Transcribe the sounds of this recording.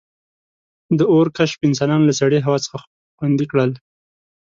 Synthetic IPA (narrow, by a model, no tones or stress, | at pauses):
d̪əoɾkaʃpɪnsɑnɑnolasaɽeɦawɑt͡sə̥xa | xwand̪ikɽəl